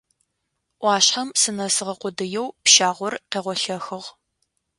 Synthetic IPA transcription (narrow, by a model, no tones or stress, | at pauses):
ʔʷɑːɕħɐmsɨnɐsɨʁɐqʷʊdɨjɛwpʃaːʁʷɔrqeːʁʷɔɬɐxɨʁ